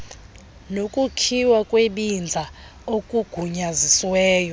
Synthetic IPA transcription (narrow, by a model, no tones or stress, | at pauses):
nokʼukʰiwakʼweɓind͡zʱa | okʼuɡ̥ʱuɲaziswɛːjɔ